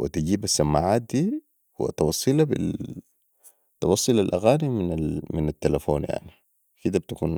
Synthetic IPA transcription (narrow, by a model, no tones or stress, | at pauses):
wḭt̪iɟiːbasːamːaːʕaːt̪̚d̪iː | wa̰t̪ɑwɑsˤːɨlabḭ | t̪ɑwɑsˤːɨlalʔaɣaːniminamɪnat̪ːalafoːnja̰ʕni | kid̪abt̪akuːn